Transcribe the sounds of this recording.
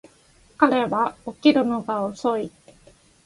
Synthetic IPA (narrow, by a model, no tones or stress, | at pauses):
kaɾeβaokʲiɾɯnoɡaosoi